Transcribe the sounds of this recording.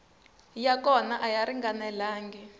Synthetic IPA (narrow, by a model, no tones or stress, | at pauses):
jakɔnaʔajaɾiŋɡanɛlaːŋɡi